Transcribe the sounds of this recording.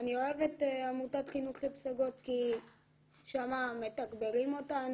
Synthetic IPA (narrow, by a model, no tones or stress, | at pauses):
anio̞eveteamutatχinuχlepsaɡo̞tki | ʃamame̞taɡbeʁimo̞tan